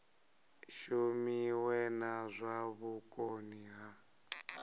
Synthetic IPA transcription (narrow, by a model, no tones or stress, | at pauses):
ʃumiwɛnazʷaβukʼoniɦa